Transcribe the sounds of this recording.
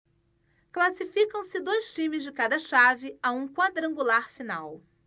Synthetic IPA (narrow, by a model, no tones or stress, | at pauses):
klasifikɐ̃w̃sɪd̪ojst͡ʃĩmɪzd͡ʒɪkad̪ɐʃavɪaũkwad̪ɾɐ̃ŋɡulaɾfinaw